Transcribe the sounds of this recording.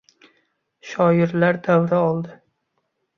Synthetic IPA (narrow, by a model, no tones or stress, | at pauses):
ʃɒjɪɾlaɾd̪awɾaɒlˠd̪ɪ